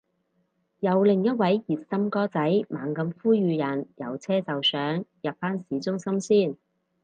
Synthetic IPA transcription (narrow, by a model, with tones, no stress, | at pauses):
jɐ˨˧wlɪ˨˩ŋjɐ˥t̚wɐ˨˥jjiː˨˩t̚sɐ˥mkɔː˥t͡sɐ˨˥jmaː˨˩ŋkɐ˨˧mfuː˥ɥyː˨˧jɐ˨˩njɐ̰˨˩wt͡sʰɛː˥t͡sɐ˨wsœː˨˥ŋjɐ˨p̚faː˥nsiː˨˥t͡sʊ˥ŋsɐ˥msiː˥˩n